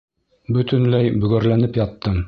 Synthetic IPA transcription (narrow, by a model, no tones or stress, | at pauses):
bɵ̆t̪ɘ̆nlæjbɵ̆ɡæɾlænɘpjɑt̪ːɤm